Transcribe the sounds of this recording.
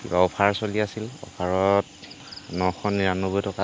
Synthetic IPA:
kḭbaɔpʰaɹsoliasilɔ̰pʰaɹɔt | nɔxʰɔnːiɹanɔbɔjtɔka

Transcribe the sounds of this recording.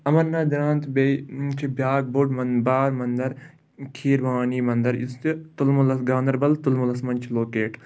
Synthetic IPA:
ɐmɐɾnaːd̪ɐɾaːnt̪bet͡ʃʰibjaːk̚boɖmɐnbaːɾmɐnd̪ɐɾ | kʰiːɾʋaːniːmɐnd̪ɐɾist̪t̪ulmulɐsɡaːnd̪ɐɾbɐlt̪ulmulɐsmɐnʲt͡ʃʰiloːkeːʈ

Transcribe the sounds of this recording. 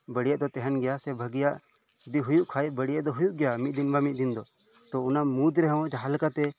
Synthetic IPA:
bəɽijɛʔd̪ɔt̪ɛɦɛnɡɛjasɛbʱəɡijaʔ | ud̪iɦujuʔkʰaɛʔbəɽijɛʔd̪ɔɦujuʔɡɛjamit̪̚d̪inbamit̪̚d̪ind̪ɔ | t̪ɔunamud̪ɾɛɦw̃d͡ʒaɦalkat̪ɛ

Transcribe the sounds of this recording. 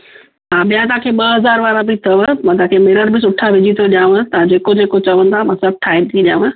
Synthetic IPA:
ɦaːɓijãt̪̬ɐãːkʰeːɓɐɦɐzaːɾʋaːɾãbit̪ʰɐʋəmãːt̪ãːkʰemɪɾəɾbɪs̬ʊʈʰaʋɪd͡ʑit̪ʰoɗijãːʋə̃t̪ɐ̃d͡ʑeːkod͡ʑeːkot͡ɕɐʋə̃nd̪ʰamãːsɐb̚ʈʰaːɪb̚t̪ʰiɗijã̰ːʋə̃

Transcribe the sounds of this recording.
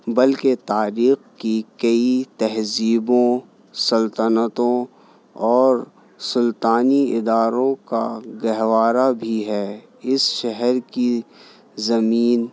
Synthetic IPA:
bɐlket̪aːɾiːxkikɐit̪ɐɦziːbõ | sɐlt̪ənət̪õ | ɔːɾ | sʊlt̪aːniɪd̪aːɾõkaɡɐɦʋaːɾabʱiɦɛː | ɪsʃɛɦɛɾki | zɐmiːn

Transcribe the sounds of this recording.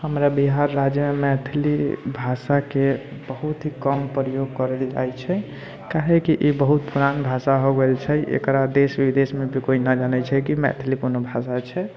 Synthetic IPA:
həmɾabiɦaɾːad͡ʒjəmemɛt̪ʰlibʱasakebəɦut̪ɦikəmpɾəjoɡ̚kəɾeld͡ʒa̰jt͡ʃʰɛ | kaɦekiʔibəɦut̪̚puɾanbʱasaɦoɡelt͡ʃʰɛḛkɾad̪esʋid̪esmebʱikoinəd͡ʒanɛt͡ʃʰɛkimɛ̰t̪ʰlipunobʱasat͡ʃʰɛ

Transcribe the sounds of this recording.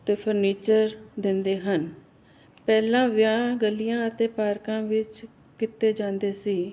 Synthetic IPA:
t̪eːpʰəɾniːt͡ʃəɾd̪ɪ̃nd̪eːɦən | pɛːlãːʋɪjãːɡəlːijãːət̪eːpaːɾkãːʋɪt͡ʃ | kɪt̪ːeːd͡ʒãːnd̪eːsiː

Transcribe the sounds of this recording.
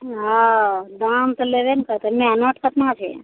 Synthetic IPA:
ɦãd̪amt̪əleʋenkəɾt̪emẽɦnəʈkət̪nãt͡ʃʰḛ

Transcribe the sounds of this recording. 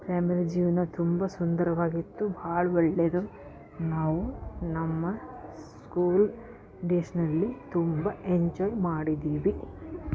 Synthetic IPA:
pɾaːmiɾid͡ʒiːʋɐnɐt̪umbɐsund̪ɐɾɐʋaːɡit̪ːubʱaːɭɐɔɭːed̪u | naːʋunɐmːɐskuːl | ɖeʃɐnɐlːit̪umbɐeɲd͡ʒɔːjmaːɽid̪iːʋi

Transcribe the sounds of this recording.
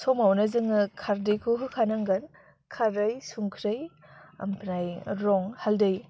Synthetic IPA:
sɔmawnɐzɯŋɯkʰaɾdɯjkʰoɦɯkʰanaŋɡɐn | kʰaɾɯjsuŋkʰɾɯj | ɐ̰mpʰnajɾɔŋhaldɯj

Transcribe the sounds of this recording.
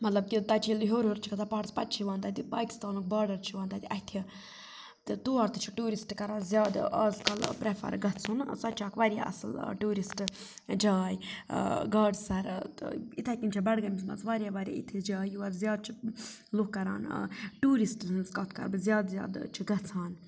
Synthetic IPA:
mɐt̪lɐb̚kʲit̪ɐt͡ʃʰilɦoːɾoːɾt͡ʃʰikɐt̪ʰapaːʈspɐt̪̚t͡ʃʰiʋaːnd̪aːt̪ʲipaːki̥st̪aːnuk̚baːɾɖɐɾt͡ʃʰiʋãːnd̪aːd̪iʔɐhʲt̪ʰi | t̪t̪uːaɾt̪ɨt͡ʃʰi̥ʈuːɾisʈkɐɾaːzjaːd̪aːzkɐlpɾefʰɐ̰ɾɡɐt̪sʰunsɐt̪ːt͡ʃʰaːkʋaɾja̰ʔɐ̰sɨlʈuːɾisʈ | d͡ʒaːj | ɡaːɖsɐɾt̪it̪ʰakʲint͡ʃʰabɐɽɡɐmismɐ̰nt͡sʋaːɾʲjaʋaːɾʲa̰ḭt̪ʰid͡ʒaːjuɐɾzjaːd̪̚t͡ʃʰi | lukkːɐɾa̰ːn̰ʈuːɾisʈɨnzkɐt̪ʰkɐ̰ɾbɨzʲjaːd̪zʲja̰ːd̪t͡ʃʰiɡɐt͡sʰaːn

